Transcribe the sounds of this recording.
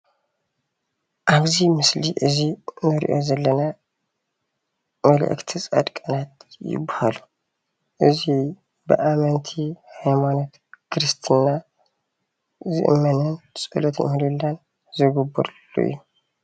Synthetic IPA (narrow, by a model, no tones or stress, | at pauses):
ʔaβzimɨsliʔɨzinɨɾḭʔo̞zɐlːɐna | mɐlə̰ʔɨ̰kt̪ʰɨsʼa̰d̪kʼɐnat̪jɪ̰bahalu | ʔɨzi | bə̰ʔamɐnt̪ʰihajmanot̪ | kʰɾɨst̪ʰɨnːa | zɨ̰ʔɨmːɐnɐnsʼɨ̰lot̪nɨ̰mɨlɨlːan | zɨɡɨbːɨɾlṵɨ̰jːu